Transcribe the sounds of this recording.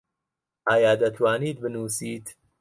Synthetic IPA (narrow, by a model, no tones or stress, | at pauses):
aːjɑːd̪ɐt̪ʰwaːniːd̪̚bɪnuːsiːd̪